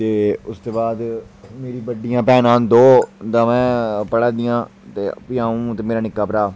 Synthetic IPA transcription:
t̪eːʊst̪eːbaːd̪meːɾiːbəɖijãːpɛːnãːnd̪oːd̪ãːmɛ̃ːpəɽaːd̪ɪjãːt̪eːpɪjãːũːt̪eːmeːɾaːnɪkːaːpəɾaː

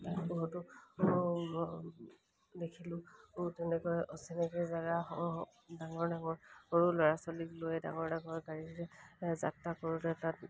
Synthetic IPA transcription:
tapɔɦɔtʊ | dekʰilʊtɛnɛkɔjʔɔsɛnɛkɔjzaɡaɔ | daŋɔɹdaŋɔɹoɹulɔɹasɔliklojɛda̰ŋɔɹdaŋɔɹɡaɹiɹɛza̰takoɹulɛɛtat̚

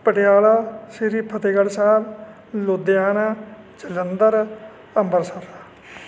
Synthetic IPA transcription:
pəʈɪjaːlaːsɪɾiːpʰət̪eːɡəɽsaːb | lod̪ejaːnaː | t͡ʃələnd̪əɾ | əmbəɾsəɾa

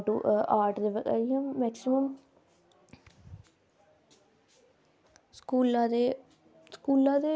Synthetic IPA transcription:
ʈuːaːʈd̪eːʋəɡə̰ijãːɛːksɪməm | skuːlãd̪eː | skuːlãːd̪eː

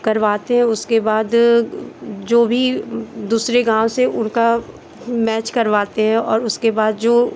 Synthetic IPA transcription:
kɐɾʋaːt̪eɦɛ̃ʊskebaːd̪ | d͡ʒoːbʱid̪uːsɾeɡãːw̃seʔʊnka | mɛːt͡ʃkɐɾʋaːt̪eɦɛ̃ɔːɾʊskebaːd̪d͡ʒoː

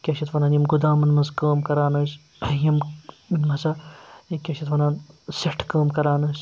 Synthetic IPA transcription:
kʲɐʃʰɐt̪ʋɐnaːnjimɡud̪aːmɐnmɐzkəːmkɐɾaːnɐs | jim | nmɐzɐkʲɐʃʰit̪ʋɐnaːnseʈʰkɐːmkɐɾaːnɐːs

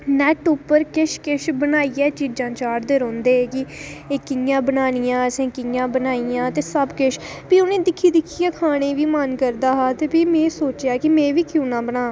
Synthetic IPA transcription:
nɛːʈʊpːəɾkɪʃkɪʃbənaːiːɛːt͡ʃiːd͡ʒãːt͡ʃaːʈd̪eːɾõːnd̪eːeːkɪeːkɪjãːbənaːnijãːəsẽːkɪjãːbənaːiːjãːt̪eːsəbkɪʃ | piːʊnẽːd̪ɪkʰːiːd̪ɪkʰːiːɛːkʰaːɽ̃eːʋiːmənkəɾd̪aːɦaːt̪eːpiːmẽːsoːt͡ʃjaːkɪmẽːʋiːkjuːnãːbənaː

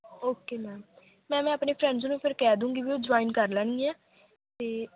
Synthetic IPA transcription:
oːkeːnãːm | mɛ̃ːmɛ̃ːəpneːpʰɾɛ̃ːɳɖznũːpʰɪɾkɛːd̪ũːŋɡiːʋiːoːd͡ʒaːinkəɾlɛːñĩːɛː | t̪eː

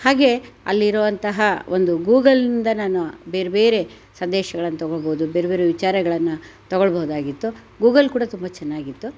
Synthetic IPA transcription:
haːɡe̞ɐ̰lːiɾɔʋɐnt̪ɐɦɐond̪uɡuːɡɐlnind̪ɐnaːnube̞ːɾebeːɾe̞ | sɐnd̪ɛːʃɐɡɐɭɐnːɐt̪ɔɡɔɭboɦud̪ube̞ːɾebe̞ːɾeʋit͡ʃaːɾɐɡɐɭɐnːut̪ɔɡɔɭbɔɦud̪aːɡit̪ːu | ɡuːɡɐlkuːɽɐt̪umbɐt͡ʃɛnːaːɡit̪ːu

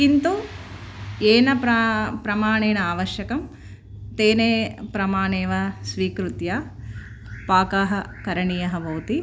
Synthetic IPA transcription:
kint̪u | eːnɐpɾɐpɾɐmaːɳeːnɐaːʋɐɾʃjɐkɐm | t̪eːneːpɾɐmaːɳeːʋɐsʋiːkɾut̪jaː | paːkaːɦɐkɐɾɐɳijɐɦɐʋɐwt̪i

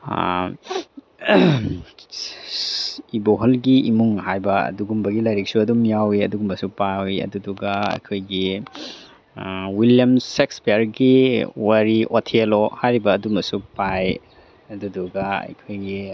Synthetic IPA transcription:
iboɦolɡiimuŋhajbɐɐ̰duɡumbɐɡilɐjɾik̚suɐdumjawiɐduɡumbɐsupawiɐ̰duduɡɐɐ̰jkʰojɡi | wiljɐmsekspeaɾɡiwɐɾiʔotʰelohajɾibɐːdumɐsupaj | ɐduduɡaɐ̰jkʰojɡi

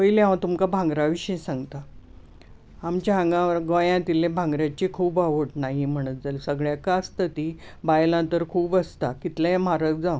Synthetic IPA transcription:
pəileãʋat̪umkabʱãŋɡɾaʋiɕĩsãŋɡt̪a | amt͡ɕaãŋɡãʋəɾɡə̃jãt̪ilẽbʱãŋɡɾjat͡ɕikʰuːbaʋəʈnaɦim̤əɽ̃ət̪̚d͡zalsəɡɭjakaəst̪ət̪ibajlãnt̪əɾkʰuːbəst̪akit̪lẽẽm̤aɾək̚d͡zãw

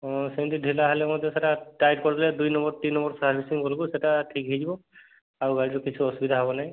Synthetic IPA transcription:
ɔsɛnd̪idʱilaɦalɛmɔd̪ɔsɛʈatajd̚kɔɹt̪ilɛd̪ujnɔmbɔɹt̪inːɔmbɔɹsaɹpʰisiŋkɔlɡusɛtaʈʰikɦidibɔ | aɹubajtukit͡ʃʰuɔsubid̪ʱaɦɔbɔnaj

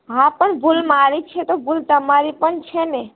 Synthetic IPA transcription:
ɦãpənbʱulmaɾit͡ʃʰɛt̪obult̪əmaɾipənt͡ʃʰɛnɛ

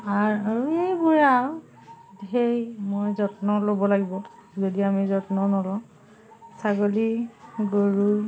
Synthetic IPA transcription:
aɹaɹuejbuɹa | dɦejmojzɔtnɔlobɔlaɡibɔzodiamizɔtnɔnɔlɔ | saɡoliɡoɹu

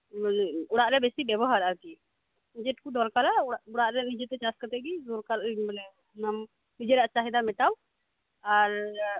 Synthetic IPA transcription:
ʊɽaʔɾɛbɛsibɛbɔɦaɾaɾki | d͡ʒɛʈ̚kud̪ɔlkalaʊɽaʔɾɛnid͡ʒɛt̪ɛt͡ʃaskət̪ɛɡizoɾkalblɛ | nam | nid͡ʒɛɾaʔt͡ʃaɦid̪amɛʈaw | aɾ

